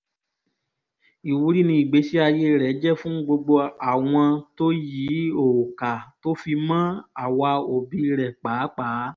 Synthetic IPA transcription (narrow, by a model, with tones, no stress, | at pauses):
i˨wu˨˧˦ɾi˦nĩ˧i˨ɡ͡be˨˦si˦a˧je˧˦˧ɾɛ˨˦d͡ʒɛ˦˨fũ˦ɡ͡bo˧ɡ͡bo˧a˨w̃ɔ̃˧to˦jiː˨˦o˨ka˨to˦fi˧mã˦a˨wa˧o˨bi˧˦˧ɾɛ˨k͡paː˨˦k͡paː˨˦